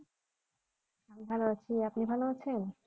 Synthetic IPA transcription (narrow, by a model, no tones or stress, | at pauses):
amibʱaloat͡ɕʰiapnibʱaloat͡ɕʰen